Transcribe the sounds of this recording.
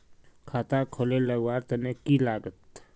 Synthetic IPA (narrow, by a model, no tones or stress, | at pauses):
kʰaːt̪akʰoleləɡwaːɾt̪ɐnekilaːɡət̪